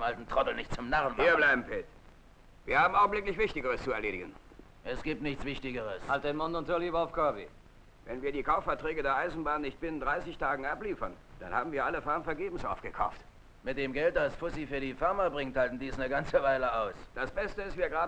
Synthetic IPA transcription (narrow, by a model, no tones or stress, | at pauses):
mʔaltn̩tʁ̥ɔtl̩nɪçtt͡sʊmnaʁənviːɐbblaɪbm̩fɪt | viːɐhaːbm̩ʔaʊɡ̚ŋ̩blɪklɪçv̥ɪçtɪɡəʁəst͡suɛɐleːɾɪɡən | ʔɛsɡ̥iːp̚tnɪçt͡sv̥ɪçtɪɡəʁəshalt̚denmʊntʊntʰʊɐliːbaʊfkʰœɐbḭ | vɛnviːɐdiːkʰaʊfɛɐtʁ̥ɛːɡədeːɐʔaɪzn̩baːnːɪçt̚b̥ɪnəndʁaɪsɪçtʰaːɡŋ̩ʔapliːfɐnd̥a̰nha̰ːbm̩viːɐʔaləfaɐmfɛɐɡeːbm̩sʔaʊfɡ̥əkʰa̰ʊft | mɪt̚d̥eːmɡɛlt̚d̥asfʊsifyːɐdiːfaɐmaɐbʁɪŋthaltn̩diːsnəɡant͡səvaɪləaʊsd̥asb̥ɛstəɪstv̥iːɐɡʁaː